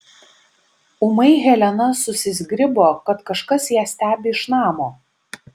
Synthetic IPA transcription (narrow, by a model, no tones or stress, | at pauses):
ʊmɐɪɣʲɛlʲɛnɐsʊsʲɪzʲɡɾʲɪboːkɐt̪kɐʃkɐsjæːsʲt̪ʲæːbʲɪɪʃnɑːmoː